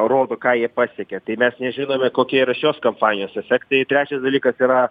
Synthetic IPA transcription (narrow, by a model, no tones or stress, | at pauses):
roːd̪oːkɑːjiɛpɑːsʲɛkʲɛt̪ɐɪmʲɛsnʲɛʒʲɪnoːmʲɛkoːkʲiɛiɾɐʃʲoːskɐmpɑːnʲɪjoːsɛfʲɛkt̪ɐɪt̪ʲɾʲæːt͡ʃʲɛsd̪ɐlʲiːkɐsiːɾɐ